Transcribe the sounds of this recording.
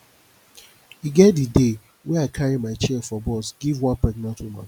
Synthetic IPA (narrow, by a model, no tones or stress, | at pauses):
iɡɛtdide | wɛ̃aɪkʰaɹimaɪt͡ʃɛfɔbɔsɡivwãnpɛknatʰumã̰